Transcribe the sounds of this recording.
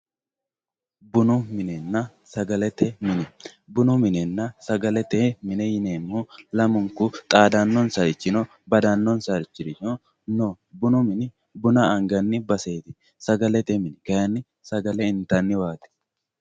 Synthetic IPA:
bʊnʊmɪnɛnːɐ | sɐɡɐlɛt̪ɛmɪnɛ | bʊnʊmɪnɛnːɐsɐɡɐlɛt̪ɛmɪnɛjɪneːmːulɐmʊŋkʊt̪ʼaːd̪ɐnːɔnsɐɾɪt͡ʃːɪnɔ | bɐd̪ɐnːɔnsɐɾɪt͡ʃːɪɾɪt͡ʃɪnɔ | no | bʊnʊmɪnɪ | bʊnɐːŋɡɐnːɪbɐseːt̪ɪ | sɐɡɐlɛt̪ɛmɪnɪkɐjɐnːɪ | sɐɡɐlɛɪnt̪ɐnːɪwaːt̪ɛ̥

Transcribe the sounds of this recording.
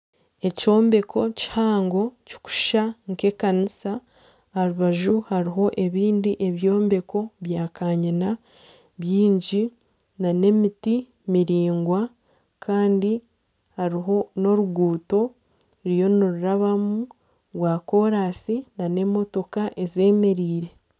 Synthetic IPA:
e̞co̞ːmbe̞kʰo̞ci̥haːŋɡo̞ci̥ku̥ʃaŋke̞kanisa | aɾuβaʒuhaɾiɦo̞ʔe̞βiːndiʔe̞βjo̞ːmbe̞ko̞βjaːkaːɲina | βjiːɲɟi | nane̞miti | miɾiːŋɡwa | kʰaːndi | haɾiɦo̞no̞ɾuɡuːto̞ | ɾijo̞niɾuɾaβamu | βwaːko̞ɾaːsinane̞mo̞to̞kaʔe̞ze̞ːme̞ɾiːɾe̞

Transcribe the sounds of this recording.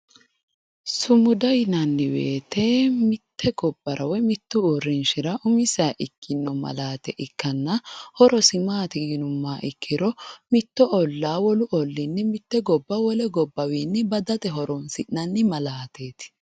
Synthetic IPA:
sʊmʊd̪ɐjnɐnːɪwḛːt̪ɛmɪt̪ːɛɡɔbːɐɾʔɐwɛmɪt̪ːʊuɾːɪnʃɪɾɐʔʊmɪsaːʔɪkʰːɪnːɔmɐ̰laːt̪ɛʔɪkːɐnːɐhɔɾɔsɪmaːt̪ɪɡɪnʊmːaːʔɪkʰːɪɾɔmɪt̪ːɔʔɔlːaːwɔlʊʔɔlːɪnːɛmɪt̪ːɛɡɔbːɐwɔlɛɡɔbːɐwiːnːɛbɐd̪ɐt̪ɛɦɔɾɔnsɪʔnɐnːɪmɐlaːt̪eːt̪

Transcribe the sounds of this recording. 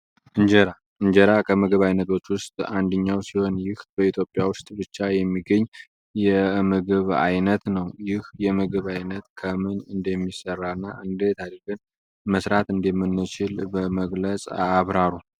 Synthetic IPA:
ʔɨɲd͡ʒəɾa | ʔɨɲd͡ʒəɾakʰəmɨɡɨβajnət̪wo̞t͡ʃːwʊst̪ʼand̪əɲːawsiho̞njɪhb̥əit̪ʰjo̞pʼːjawʊst̪ʼbɨt͡ʃːajɛmːiɡəɲː | jɛmɨɡɨβa̰jnət̪nəwjɪhjɛmɨɡɨβajnət̪kʰəmɨnɨnd̪əmːisərːanːaʔɨnd̪et̪ʰad̪ɾɡɨn | məsɾat̪ɨnd̪əmːɨnːɨt͡ʃɪlbəməɡlət͡sʼa̰βɾaɾu

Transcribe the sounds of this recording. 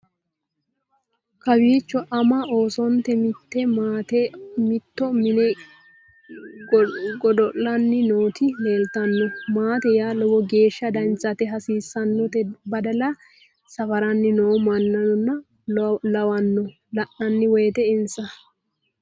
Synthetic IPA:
kɐwiːt͡ʃːɔʔɐmɐo̞ːsɔnt̪ɛmɪt̪ːɛmaːt̪ɛmɪt̪ːɔmɪnɛ | ɡɔdɔʔːɐnːɪnoːt̪ɪle̞ːlt̪ɐnːɔmaːt̪ɛjaːlɔwɔɡe̞ːʃːɐd̪ɐnt͡sːɐt̪ɛɦɐsiːsːɐnːɔt̪ɛbɐd̪ɐlɐ | sɐfɐɾɐnːɪnoːmɐnːɐnɔnːɐ | lɐwɐnːɔ | lɐʔɐnːɪwɔjɛt̪ɛɪnsɐ

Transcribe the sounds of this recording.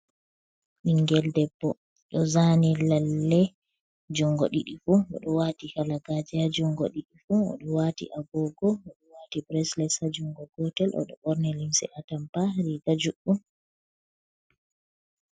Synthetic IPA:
ʔiŋɡɛldɛbːɔ | ɗɔzanilalːɛ | d͡ʒuŋɡɔɗḭɗifuɔ̰ɗɔwatikalaɡad͡ʒɛad͡ʒuŋɡɔ̰ɗiɗifuɔ̰ɗɔwatḭʔaɡɔɡɔɔɗɔwatibɾɛslɛsad͡ʒuŋɡɔɡɔtɛlʔɔ̰ɗɔ̰ɓɔɾnɛlimsɛ̰ʔatampaɾiɡad͡ʒuɓːu

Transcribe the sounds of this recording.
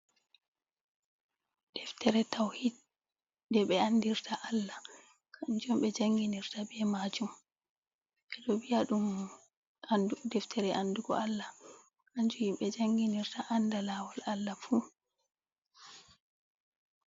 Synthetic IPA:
d̥ɛftɛɾɛtawhid̚ | dɛɓɛandiɾtʰaʔalːa | kʰand͡ʒɔmɓɛd͡ʒaŋɡiniɾtabɛmad͡ʒum | ʔɛɗɔbiaɗum | anudɛftʰɛɾɛʔanduɡɔ̰alːa | aɲd͡ʒuhimɓɛd͡ʒaŋɡiniɾtaʔandalawɔlalːafu

